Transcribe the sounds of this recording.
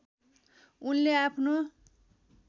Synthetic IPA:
unleapʰno

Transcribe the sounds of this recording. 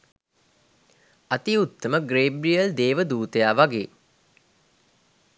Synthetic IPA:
at̪iut̪ːəməɡreːbɾijəld̪eːʋəd̪uːt̪əjaːʋaɡeː

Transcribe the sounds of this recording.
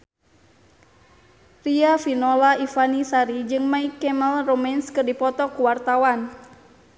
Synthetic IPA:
riafinɔlaifanisaɾid͡ʒɨŋmaikɛməlromɛnskɨrdipɔt̪ɔkuwart̪awan

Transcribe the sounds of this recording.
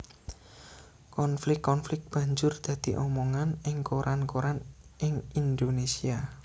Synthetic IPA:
kɔnflɪkːɔnflɪk̚b̥ä̤ɲd͡ʒʊrd̪̥ä̤d̪̥i̤ʔɔmɔŋanɪŋkoɾʔankoɾanʔɪŋind̪onesia

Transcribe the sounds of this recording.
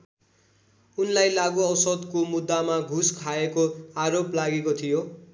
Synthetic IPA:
unlajlaɡoʌwsʌd̪komud̪ːamaɡʱuskʰaekoaɾoplaɡekot̪ʰijo

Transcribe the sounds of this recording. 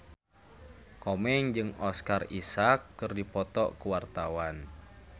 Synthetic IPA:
kɔmɛŋd͡ʒɨŋɔskarisakːɨrdipɔt̪ɔ̰ʔkuwart̪awan

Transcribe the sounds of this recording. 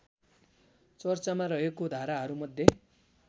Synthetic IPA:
t͡sʌrt͡samarʌɦekod̪ʱaɾaɦʌɾumʌd̪ʱje

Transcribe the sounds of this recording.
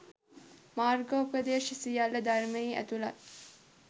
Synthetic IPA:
maːrɡopɾəd̪eːʃisijalːəd̪armejiːʔæ̰t̪ula

